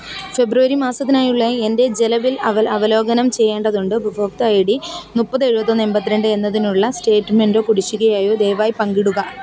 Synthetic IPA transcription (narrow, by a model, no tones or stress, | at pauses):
fe̞bruʋɐɾimaːsɐt̪ːinaːjuɭːɐe̞nde̞d͡ʑe̞lɐʋilɐʋɐlɐʋɐlo̞ːɡɐnɐmt͡ɕe̞jːe̞ːɳɖɐðuɳɖɨbɨbʱoːk̚t̪ɐjiɽinupːɐt̪ːeɻubɐt̪ːonːembɐt̪ːiɾeɳɖɨe̞nːɐðinuɭːɐste̞ːʈːme̞ndo̞ːkuɽit͡ɕːuɣɐjaːjo̞ːd̪e̞jʋaːjipɐŋɡiɽuɣɐ